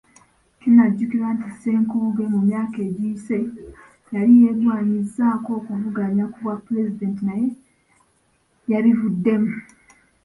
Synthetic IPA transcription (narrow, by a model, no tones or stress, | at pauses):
cinaɟːukiɾantise̞ːŋkuːɡe̞mumjaːke̞ːɟiːse̞ | jalije̞dwaːɲizːaːko̞ːkuvuɡaɲakuvwapːuɾe̞zide̞ːntinaje̞ | jaβivudːe̞mu